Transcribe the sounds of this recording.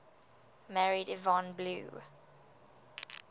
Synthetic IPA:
mæɹidɪvɑ̃nblṵː

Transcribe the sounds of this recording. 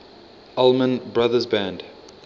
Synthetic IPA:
alˠmə̃nbɹaðəzbæ̃nd

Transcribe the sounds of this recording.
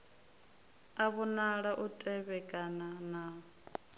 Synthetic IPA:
aβunaɺaʔutʼɛβɛkʼanana

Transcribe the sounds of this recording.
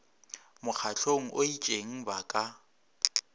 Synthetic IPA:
mʊk͡xʰat͡ɬʰoŋ̩ʔoit͡ʃʼeŋ̩bakʼa

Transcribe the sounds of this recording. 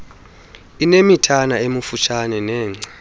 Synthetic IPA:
inemitʰanaemufut͡ʃʰanɛnɛːŋ͡ǀa

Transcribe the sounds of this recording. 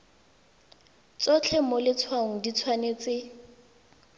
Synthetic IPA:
t͡sɔt͡ɬʰɛmɔlɪt͡sʰwaŋ̩dit͡sʰwanet͡sɪ

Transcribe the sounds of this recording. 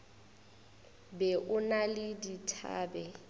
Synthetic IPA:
bɛʔʊnalɪditʰa̰ːbɛ

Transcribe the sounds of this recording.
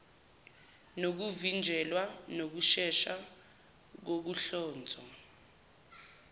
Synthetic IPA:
nok̬uvind͡ʒʱɛlwanok̬uʃɛʃa | k̬ok̬uɬɔːnd͡zʱɔ

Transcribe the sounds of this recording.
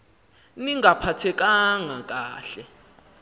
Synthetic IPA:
niŋʱapʰatʰɛk̬ʼaŋak̬ʼaːɬɛ

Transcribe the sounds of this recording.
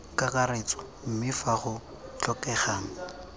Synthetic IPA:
kʼakʼaret͡sʼɔ̥ | m̩mɪfaχʊ | t͡ɬʼɔkɛχaːŋ̩

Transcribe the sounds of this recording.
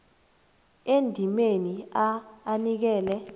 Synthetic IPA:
endʱimeniaːnik̬ɛːlɛ

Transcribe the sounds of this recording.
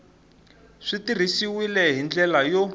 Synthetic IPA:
ʂitir̤isiwilɛɦind͡ɮɛlajo

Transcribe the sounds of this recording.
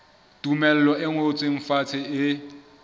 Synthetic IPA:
tʼumɛl̩lɔʔɪŋot͡sʼɪɱ̩fat͡sʰɪɪ

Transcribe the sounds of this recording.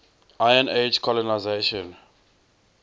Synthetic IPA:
ʔajə̃ned͡ʒkʰɔlɔnajzeʃɔ̃n

